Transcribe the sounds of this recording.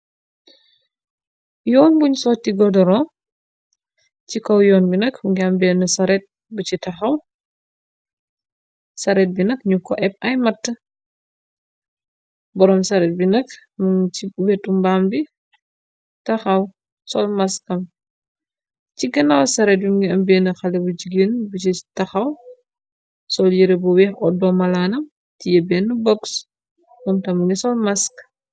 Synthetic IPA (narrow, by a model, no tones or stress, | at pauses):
jɔːnbuɲsɔtːiɡɔdɔɾɔ | cikɔwjɔːnbinɐkmuɡambɛnɐsɐɾɛt̚ | but͡ʃitɐxɐw | sɐɾɛt̚binɐkɲukːɔʔɛp̚ɐjmɐtːə | bɔɾɔmsɐɾɛt̚binɐkmuŋiwɛtːumbaːmbi | tɐxɐw | sɔlmɐskɐm | ciɡɐnawsɐɾɛːt̚jimɡiɐmbɛːnɐxɐlɛbud͡ʒiɡeːnbut͡ʃitɐxɐw | sɔljiɾebuwɛxɔdɔmɐlaːnɐm | tijɐbɛːnːubɔks | mɔmtɐmuŋɡɛsɔlmɐsk